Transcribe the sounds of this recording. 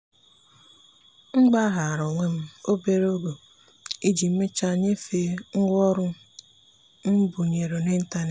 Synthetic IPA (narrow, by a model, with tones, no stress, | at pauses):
ŋ͡m̩˦ɡ͡ba˦ɦa˨a˨ɾɔ˨ŋʷe˦m̩˦o˦be˨ɾo˦ɡo˨ | i˦d͡ʒi˨m̩˦me˦t͡ʃa˦ɲe˦fe˦ŋ̩˦ɡʷɔ˦ɾʊ˦ | m̩˦bu˨ɲe˨ɾo˨ne˦n̩˦ta˦ne˨